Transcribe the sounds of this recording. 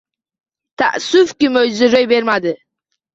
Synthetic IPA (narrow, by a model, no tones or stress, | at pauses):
t̪ʰa̰ʔsʊfkʲɪmøjzɪɾøjbeɾmad̪ɪ